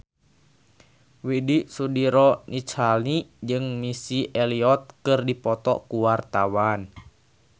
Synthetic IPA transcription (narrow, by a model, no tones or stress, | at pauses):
widisudiɾɔnit͡ʃalid͡ʒɨŋmisiʔɛliɔt̪̚kɨrdipɔt̪ɔ̰kuwart̪awan